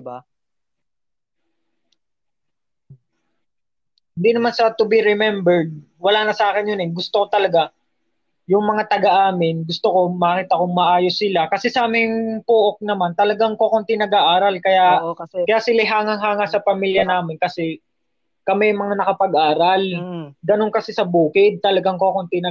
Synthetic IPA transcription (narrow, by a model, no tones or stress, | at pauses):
ba | hɪnd̪inɐmansɐt̪ʊbiɾɛmɛmbɛɹd̪̚ | wɐlaːnɐsʔaːkɪnjonɪɡʊst̪okot̪ɐlɐɡa | jʊŋmɐŋat̪ɐɡɐʔaːmɪnɡʊst̪oko̞mɐkɪt̪ɐkoŋmɐʔaːjosɪlakɐsɛsɐʔaːmɪŋpoʔok̚nɐmant̪ɐlɐɡaŋkokont̪inɐɡaʔaːɾɐlkɐjakɐjaʔsɪlaɦaːŋɐŋɦaːŋasɐpɐmiljɐnaːmɪnkɐsɛ | kɐmɛjmɐŋanɐkɐpɐɡʔaːɾɐlɡ̪ɐnoŋkɐsɛsɐbuːkɪd̪̚t̪ɐlɐɡaŋkokont̪ɪnɐ